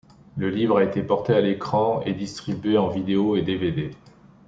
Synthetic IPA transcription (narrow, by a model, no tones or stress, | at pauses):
ləlivʁaet̪epɔʁt̪ealekχɑ̃ed̪ist̪χibɥeɑ̃vid̪eoed̪eved̪e